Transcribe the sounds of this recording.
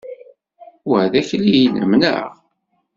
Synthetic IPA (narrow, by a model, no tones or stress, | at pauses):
wæðæçliijnə̰mnæ̰